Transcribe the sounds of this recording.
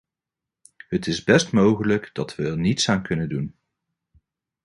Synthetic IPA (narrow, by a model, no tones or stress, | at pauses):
ɦətɪzbɛstmowχələkdɑtʋənitsaːnkɵnədun